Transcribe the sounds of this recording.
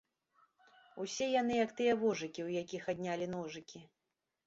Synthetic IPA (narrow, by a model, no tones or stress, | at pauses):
usʲɛjanɨjɐkt̪ɨjɐvɔʐɨkʲiwjakʲixad̪ʲnʲalʲinɔʐɨkʲi